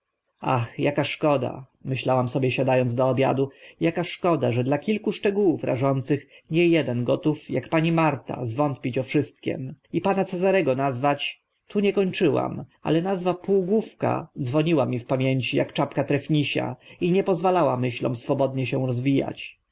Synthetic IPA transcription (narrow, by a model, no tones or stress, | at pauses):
axjakaʂkɔd̪a̰ | mɘɕlawamsɔbʲjɛɕad̪ajɔnzd̪ɔːbʲja̰d̪ujakaʂkɔd̪aʐɛd̪lakʲilkuʂt͡ʂɛɡuwufɾa̰ʐɔnt̪sɘxɲɛjɛd̪ɛnɡɔt̪ufjakpaɲimaɾt̪a̰zvɔnt̪̚pʲit͡ɕɔfʂɘst̪̚kʲɛ̰mipanat̪sɛzaɾɛɡɔnazvat͡ɕ | t̪ʰuɲɛkɔɲt͡ʂɘwa̰ma̰lɛnazvapuːɡufka̰d̪zvɔɲiwamʲifpamʲjeɲt͡ɕija̰kt͡ʂapkat̪ɾɛfɲiɕa̰iɲɛpɔzvalawamɘɕlɔ̰̃w̃sfɔbɔd̪ɲɛɕɛw̃ɾɔzvʲija̰t͡ɕ